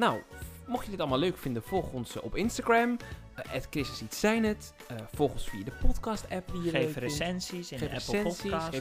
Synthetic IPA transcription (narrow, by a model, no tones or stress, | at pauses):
nawmɔxjədɪtɑlˠmaløːkfɪndəfɔlˠxənsɔpɪnstaɡrɛm | ʔɛtkrɪsəsitsɛjnət | fɔlˠχənsfiːədəpɔtkɑstɛpʋiədeesɛnsisxeːfsɛnsis